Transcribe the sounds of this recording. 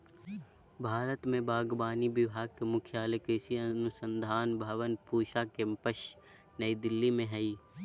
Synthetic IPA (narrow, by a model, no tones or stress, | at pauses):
bʱaːɾət̪mẽbaːɡbaːnibɪʋɦaːkemʊkʰjaːlekɾɪsiɐnʊsənd̪ʱaːnbʱɐʋənpuːʃakempəʃ | nɐid̪ɪlːimẽɦɐiː